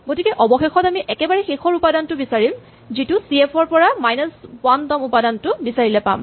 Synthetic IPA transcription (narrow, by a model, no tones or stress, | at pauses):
ɡotikɛʔɔbɔxexɔtamiʔɛkɛbaɹɛxexɔɹupadantʊbisaɹim | zitʊsiepʰɔɹpɔɹamajnɔswantɔmupadantʊbisaɹilɛpa̰m